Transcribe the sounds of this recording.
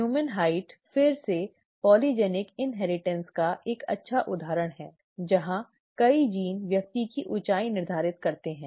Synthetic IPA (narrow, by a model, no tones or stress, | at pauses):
juːmənɦaːɪʈfɪɾse | pɔːlid͡ʒɛːnɪkɪnɦɛːɾɪʈɛ̃nskaʔeːkɐ̰tːʃʰaʔʊd̪ʱaːɾəɽ̃ɦɛː | d͡ʒɐɦã | kɐid͡ʒiːnʋjɐk̚t̪ikiʔʊt͡ʃaːinɪɾd̪ʱaːɾɪt̪kɐɾt̪eɦɛ̃ː